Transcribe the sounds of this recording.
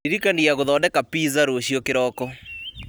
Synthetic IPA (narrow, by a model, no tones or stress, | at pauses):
iɾikaniaɣoðɔːdɛkapiːzaɾoɕjɔkeɾɔːkɔ